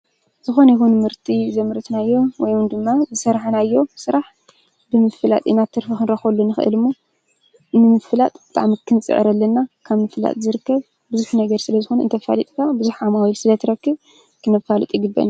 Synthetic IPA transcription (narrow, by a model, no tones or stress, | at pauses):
zɨxo̞njixunmɨɾt̪ʼizɐmɾɐt̪najːo̞wɔjwɨnd̪ɨmːazɨsɐɾħnajːo̞sɨɾaħ | bɨmɨfɨla̰t̪ʼinat̪ʰːɨɾfixɨnɾɐxɐlːunːɨxɨ̰ʔɨ̰lɨmːo | nɨmɨfɨlat̪ʼb̥ɨt̪ʼa̰ʕmikʰɨnt͡sʼɨ̰ʕɨ̰ɾɐlːɐnːakʰaβmɨfɨla̰t̪ʼzɨɾɨkːɐβ | bɨzuħnɐɡɐɾsɨlɐzɨxonɨnt̪ʰɐfa̰lit̪ʼkʰabɨzuħamawilsɨlɐt̪ʰɨɾɐkːɨβ | kʰɨnɐfalɨt̪ʼjɪɡɨbːɐ̰n